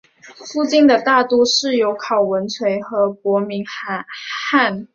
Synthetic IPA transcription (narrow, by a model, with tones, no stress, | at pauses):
fu˥˧t͡ɕi˥˩nd̪ə˨t̪a˥˧t̪u˥˧ʂɻ̩˥˩jo˧˥ʊkʰɑ˨˩ʊwə˧˦˥nt͡sʰwe˧˥ɪxɤ˧˥k̚wɔ˧˥mi˧˥ŋ | xa˥˩n